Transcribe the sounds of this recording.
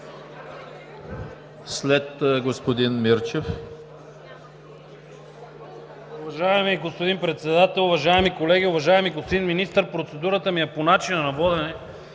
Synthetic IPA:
slɛt̪ɡospod̪inmiɾt͡ʃɛf | ʊvɐʒaɛmiɡospod̪inpɾɛt̪sɛd̪at̪ɛlˠʊvɐʒaɛmikolɛɡiʊvɐʒaɛmiɡosd̪inminist̪əɾpɾot̪sɛd̪uɾət̪əmijɛponat͡ʃinənɐvɔd̪ɛnɛ

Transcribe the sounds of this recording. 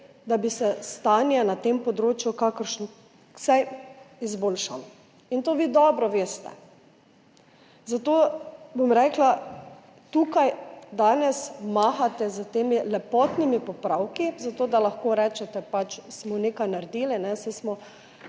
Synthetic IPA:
d̪abisɛst̪aːnjanat̪empɔd̪ɾoːt͡ʃjukakəɾʃnɔ | ksajizboːlʃam | int̪oːʋiːd̪ɔːbɾɔʋeːst̪ɛ̰ | zat̪oːbomɾɛːkla | t̪uːkajd̪aːnɛsmaːxat̪ɛzət̪eːmilɛpɔːt̪nimipɔpɾawkizat̪oːd̪alaxkoːɾɛːt͡ʃɛt̪ɛpat͡ʃsmɔnekajnaɾd̪iːlinɛsɛɪsmɔ

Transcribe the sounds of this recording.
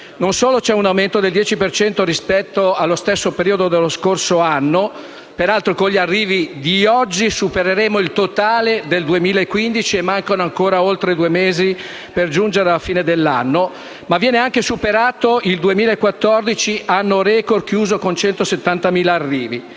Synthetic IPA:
nonsoːlot͡ʃɛunawment̪od̪eld̪jɛːt͡ʃipert͡ʃɛnt̪oɾispɛt̪ːoalːost̪esːopeɾiːod̪od̪elːoskorsoanːo | peɾalt̪ɾokoɲʎːiarːiːvid̪iɔd͡ʒːisupeɾeɾeːmoilt̪ot̪aːled̪eld̪uemiːlaekːwind̪it͡ʃiemːaŋkanoaŋkoːɾaolt̪ɾed̪uemeːzi | perd͡ʒund͡ʒeɾealfiːned̪elːanːo | mavːjɛːneaŋkesupeɾaːt̪oild̪uemiːlaekːwat̪ːɔrd̪it͡ʃiʔanːoɾɛkor̚kjuːzokont͡ʃɛnt̪oset̪ːant̪amiːlaːrːiːvi

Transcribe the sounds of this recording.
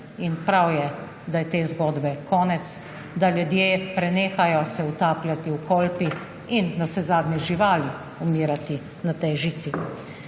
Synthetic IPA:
inpɾawjɛ | d̪ajɛt̪eːzɡɔːd̪bɛkɔːnɛt̪s | d̪aljud̪jeːpɾɛneːxajɔsɛut̪aːplʲjat̪iwkɔːlpi | inːɔsɛzaːd̪nɛʒiʋaːli | ɔmiːɾat̪i | nat̪ɛjʒiːt̪si

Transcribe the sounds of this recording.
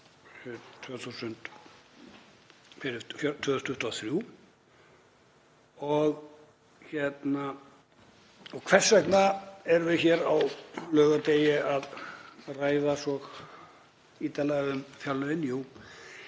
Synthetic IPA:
ɪt̪ʰvœːθusʏnt̪ | fɪɾɪfjt̪ʰvœːðʏst̪ʰʏht̪aθɾju | ɔɣ | çɛt̪na | ɔɣkʰv̥ɛr̥sɛknaɛɾvɪðçɛɾawlœːɣat̪ejɪaðraːjðasɔɣ | iːt̪alɛɣʏmfjawlœvɪnjuː

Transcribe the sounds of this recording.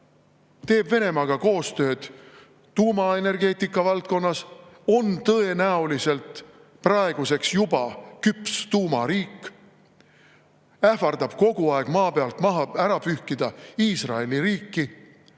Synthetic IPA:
t̪e̞ːbve̞ne̞mɑɡ̥ɑko̞ːst̪ø̞ːd̪̥ː | uːmɑe̞ne̞rɡe̞ːt̪ikˑːɑvɑlt̪̚ko̞nːɑso̞nt̪ɤe̞næulise̞lt̪ | prɑe̞ɡ̥use̞ksjub̥ɑkypst̪uːmɑɾiːkːˑ | æhfɑrd̪̥ɑb̥ko̞ɡ̥uɑe̞ɡ̥mɑːpe̞ɑlt̪ˑmɑɦɑæɾɑpyhkid̪̥ɑiːsrɑe̞liɾiːkːi

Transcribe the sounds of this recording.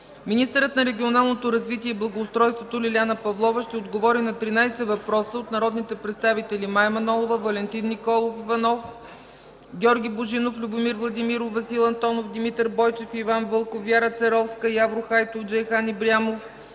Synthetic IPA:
minist̪ɛɾət̪nɐɾɛɡʲionalˠnot̪oɾɐzvit̪iɛiblˠɐɡoːst̪ɾɔjst̪vot̪olʲilʲanəpɐvlˠɔvəʃt̪ɛod̪ɡovɔɾinɐt̪ɾinajsɛvɐpɾɔsəot̪nɐɾɔd̪nit̪ɛpɾɛt̪st̪avit̪ɛlimajmɐnɔlˠovəvɐlɛnt̪inːikɔlˠofivɐnɔf | ɡʲɔɾɡʲiboʒinoflʲʊbomiɾvlˠɐd̪imiɾovɐsilˠɐnt̪ɔnofd̪imit̪ɛɾbɔjt͡ʃɛfivanvɤlˠkofjaɾət̪sɛɾɔfskəjavɾoxajt̪ofd͡ʒɛjxanibɾiamof

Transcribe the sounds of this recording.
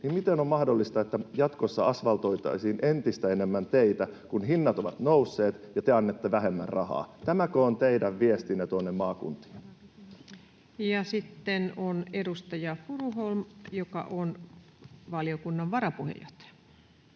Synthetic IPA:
nimmit̪enommɑhdolːist̪ɑet̪ːæjɑt̪kosːɑɑsʋɑlt̪o̞jt̪ɑ̰isiːnʔent̪ist̪æene̞mːænt̪eit̪ækunɦinːɑt̪oʋɑ̰t̪nousːe̞ːt̪jɑt̪eɑnːet̪ːeʋæɦe̞mːæ̰rrɑhɑ̰ːt̪æmækøːnt̪eidæʋʋiest̪inːet̪uonːemmɑːkṵnt̪i̥ːn | jɑsit̪ːenonedust̪ɑjɑfuruɦolmjokɑ̰ʔon | ʋɑliokunːɑʋʋɑɾɑpuhḛjo̰t̪

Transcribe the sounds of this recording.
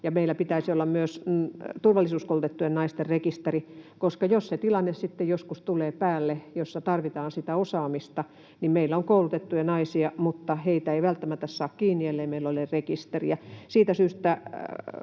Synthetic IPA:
jɑmeilːˑæpit̪æisiolːɑmmyøst̪urʋɑlːˑisuːskoulut̪et̪ːujennɑist̪errekist̪erikoskɑjosset̪ilɑnːessit̪ːejoskust̪uleːpæːlːejosːɑt̪ɑrʋit̪ɑːnsit̪æosɑːmist̪ɑ | nimmeilːæoŋkoulut̪et̪ːujɑnɑisiɑmut̪ːɑheit̪æeiʋælt̪ːæmæt̪ːæssɑːkkiːnːielːeimeilːolerrekist̪erḭjɑsiːt̪æsyːst̪æ

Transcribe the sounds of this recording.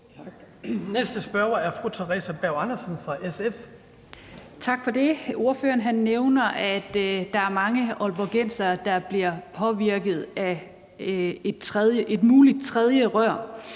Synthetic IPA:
nesd̥əsb̥ɶɐɐæɐfʁut͡sʰeʁɛ̰ːsæb̥æʊɑnɐsənfʁɑ̈ʔesef | t͡sʰɑ̈ɡ̥fɒ̽d̥e̝o̝ɐføːɐnɦænːeʊnɐʔæd̥d̥ɑ̈æɐmɑ̈ŋəɒlboɡ̥en̰sɐd̥ɑ̈b̥liɐpʰɒ̽ʋiɐɡ̥ð̞̩ˠæ | ed̥̚t͡sʰʁɛðˠjəʔe̝d̥muːlid̥̚t͡sʰʁɛðˠjəʁɶɐ̰

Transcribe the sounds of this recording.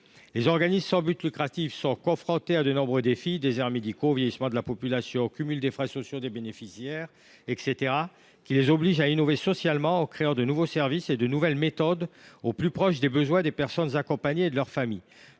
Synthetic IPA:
lezɔʁɡanissɑ̃byt̪lykχat̪ifsɔ̃kɔ̃fχɔ̃t̪ead̪ənɔ̃bʁəd̪efid̪ezɛʁmed̪ikovjɛjismɑ̃d̪əlapɔpylasjɔ̃kʲymyld̪efχɛsɔsjod̪ebenefisjɛʁ | ɛkset̪eʁa | kʲilezɔbliʒainɔvesɔsjalmɑ̃ɑ̃kχeɑ̃d̪ənuvosɛʁvised̪ənuvɛlmet̪ɔd̪oplypχɔʃ̬d̪ebəzwɛ̃d̪epɛʁsɔnzakɔ̃paɲeːd̪əlœʁfami

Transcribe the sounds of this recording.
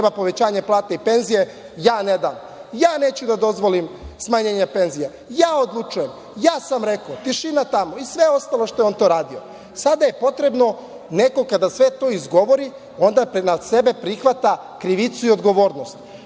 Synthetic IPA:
ebapo̞ʋe̞t͡ɕaːɲeplˠaːt̪eipe̞nzije̞ | jaːned̪am | jaːneːt͡ɕud̪ad̪o̞zʋolimsmaɲeːɲape̞nzija | jaːod̪lˠut͡ʃuje̞m | jaːsamɾe̞kot̪iʃinat̪amoisʋeo̞st̪alˠo̞ʃt̪o̞jeo̞nt̪o̞ːɾaːd̪io | sad̪aje̞po̞t̪ɾe̞bno̞ | ne̞ko̞kad̪asʋe̞t̪o̞ːizɡo̞ʋo̞ɾi | o̞nd̪anase̞be̞pɾixʋat̪a | kɾiʋit̪suio̞d̪ɡo̞ʋo̞ːɾno̞st̪

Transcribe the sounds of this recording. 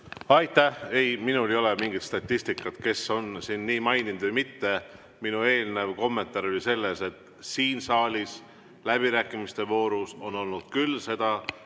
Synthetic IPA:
ɑjt̪æhe̞jminulejo̞lemiŋɡit̪st̪ɑt̪ʲːˑist̪ikːˑɑt̪ke̞so̞nsinːiːmɑjnind̪̥vɨjmit̪ːe̞ | minue̞ːlnevko̞mːe̞nt̪ːˑɑɾo̞lʲise̞lːe̞se̞t̪ | siːnsɑːlʲis | læb̥iɾæːkːˑimist̪e̞vo̞ːɾuso̞no̞lnud̪̥kylse̞d̪̥ɑ

